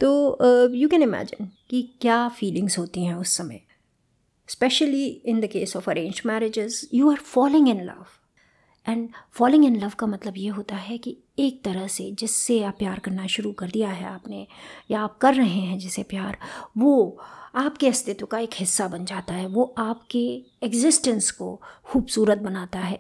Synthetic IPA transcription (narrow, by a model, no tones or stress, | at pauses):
t̪oːjuːkɛ̃nɪmæ̰ːd͡ʒɪ̰̃nkikjaːfiːlɪ̃ŋzɦoːt̪iɦɛ̃ʊsːɐmḛː | spɛʃəliɪ̃nd̪əkeːsɔːfɐɾẽːnd͡ʒʈmɛːɾɪd͡ʒɪzjuːaːɾfɔːlɪ̃ŋɪ̃nlɐ̰ʋ | ʔɛ̃ːɳɖfɔːlɪ̃ŋɡɪ̃nlɐʋkamɐt̪ləbjeɦoːt̪aɦɛki | eːk̚t̪ɐɾəɦsed͡ʒɪsːeapjaːɾkɐɾnaʃʊɾukɐɾd̪ijaɦɛ̰a̰ːpnejaaːp̚kɐɾːɐɦẽɦɛ̃d͡ʒɛːsepjaːɾʋoaːpkeɐst̪ɪt̪õkaeːkɦɪsːabɐ̃nd͡ʒaːt̪aɦɛʋoʔaːpke | ɛɡzɪsʈə̃nsko̰xuːbsuːɾət̪̚bɐnaːt̪aɦɛː